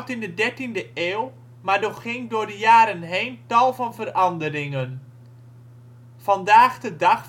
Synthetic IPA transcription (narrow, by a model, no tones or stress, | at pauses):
tɪndədɛɹtindəʔeːw | maːɹdɔχχɪŋdʊːɹdəjaːɾənɦejntɑlˠvɑnvərɑndəɾɪŋən | v̥ɑndaːχdədɑχ